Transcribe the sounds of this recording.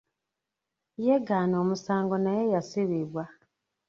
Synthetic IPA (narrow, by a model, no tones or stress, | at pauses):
jeɡaːnoːmusaːŋɡonajejasiβiβwa